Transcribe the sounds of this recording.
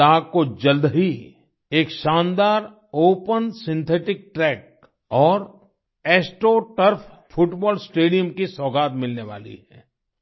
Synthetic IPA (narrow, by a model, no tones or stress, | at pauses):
aːɡkod͡ʒɐld̪ɦi | eːkʃãːnd̪aːɾ | oːpənsɪ̃nt̪ʰeːʈɪk̚ʈɾɛːk̚ | ɔːɾ | eːsʈoʈəɾpʰ | fʰʊʈbɔːlsʈeːɖijəmkisɔːɡaːt̪mɪlneʋa̰ːlḭɦɛ̰ː